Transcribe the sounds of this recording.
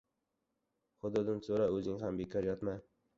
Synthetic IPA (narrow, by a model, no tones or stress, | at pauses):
χʊd̪ʊd̪ɪnsoɾaɵzɪŋɦambekʰɒɾjɒt̪maj